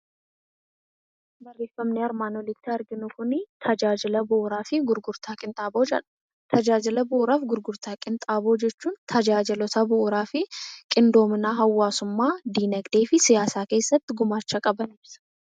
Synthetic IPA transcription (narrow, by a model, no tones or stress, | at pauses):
bɐrːe̞ːfɐmnɪɐɾmaːnɔlɪt̪ːɪɐɾɡɪnʊkʊnɪt̪ʰɐd͡ʒaːd͡ʒɪlɐbʊːɾaːfɪɡʊɾɡʊɾt̪ʰaːkʼɪnt̪ʼaːbo̞ːd͡ʒɐ̰ᶑɐ̥ | t̪ʰɐd͡ʒaːd͡ʒɪlɐbʊɾaːfɡʊɾɡʊɾt̪aːkʼɪnt̪ʼaːbo̞ːd͡ʒɛt͡ʃːuːnt̪ʰɐd͡ʒaːd͡ʒɪlɔt̪ɐbʊʔːɾaːfɪkʼɪnd̪o̞ːmɪnaːɦɐwːaːsʊmːaːd̪iːnɐkd̪eːfɪsɪjaːsaːke̞ːsːɐt̪ːɪɡʊmaːt͡ʃːɐkʼɐbɐnɪbsɐ̥